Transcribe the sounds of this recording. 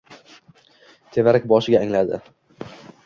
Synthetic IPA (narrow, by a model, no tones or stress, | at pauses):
t̪ʰe̞vaɾakʲbɒʃɪɡʲaːŋlad̪ɪ̰